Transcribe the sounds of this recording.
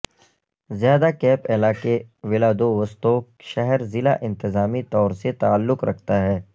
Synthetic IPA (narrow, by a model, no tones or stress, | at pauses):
zjaːd̪akɛːpɛlaːkeʋɪlad̪oʋɐst̪oːkʃɛɦɛɾzɪlaʔɪ̃nt̪ɪzaːmit̪ɔːɾset̪aːlːʊkɾɐkʰt̪aɦɛː